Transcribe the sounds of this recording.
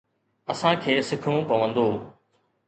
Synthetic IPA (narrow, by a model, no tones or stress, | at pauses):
ɐsãkʰeːsɪkʰɽũpɐʋə̃nd̪oː